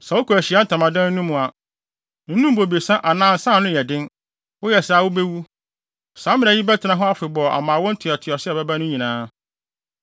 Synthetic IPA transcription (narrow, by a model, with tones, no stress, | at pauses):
sa˨wʊ˦kʰu˨æ˨ɕi˨a˦n̩˦tʰã˨mã˨dã˦n̩˦nũ˦mũ˨a˨ | n̩˦nũ˦m˦bo˨bi˨e˨sã˦ʔa˨nãː˦n̩˨sã˦˨nʊ̃˦jɛ˨dɪ̃˦n | wʊ˦jɛ˨saː˨˦˨wʊ˦be˦wu˦ | sãː˨˦mɪ̃˦nã˨i˦bɛ˦tʰɪ˨nã˨ɦɔ̃˦a˦fɪ˨bɔ˨a̰˨mã˨wɔ̃˦n̩˦tʰɪ˨ɔ˨tʰɪ˨ɔ˨sɪ˦ɛ˨bɛ˦ba˦nʊ̃˦ɲĩ˨nãː˨˦